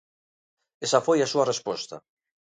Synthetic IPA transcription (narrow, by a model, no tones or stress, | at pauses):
esafojasuɐrespɔst̪ɐ̰